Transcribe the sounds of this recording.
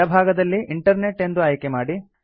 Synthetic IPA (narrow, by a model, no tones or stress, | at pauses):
ɐbʱaːɡɐd̪ɐlːiʔiɳʈɐɾne̞ʈːe̞nd̪uɐjkemaːɽi